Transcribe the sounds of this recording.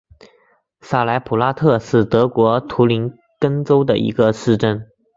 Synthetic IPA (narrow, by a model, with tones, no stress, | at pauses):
sa˥˩la˧˥ɪpʰu˨˩la˥t̪ʰɤ˥˧ʂɻ̩˥˩t̪ɤ˧˥kwɔ˧˥t̪ʰu˧˥li˧˥n | kə˥ŋt͡so˥ʊd̪ə̰˨ʔḭ˧˥ɡə˧ʂɻ̩˥˧ʈ͡ʂə˥n